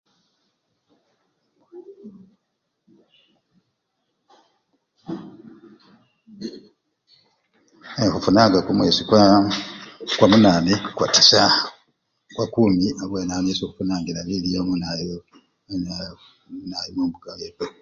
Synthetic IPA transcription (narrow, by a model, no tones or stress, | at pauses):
exufunaːŋɡakumweːsikwa | kwamunaːnikwa̰ti̥sa | kwakuːmiaβwenamesokufunaːŋɡilaβilijomunajo | n | najimumbuɡawepo